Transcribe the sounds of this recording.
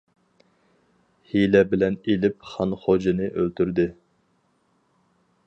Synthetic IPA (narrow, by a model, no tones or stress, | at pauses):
hilɛbɪlɛnelɪp̚χɑnχod͡ʒɨnɨʔølt̪ʰyɾd̪ɪ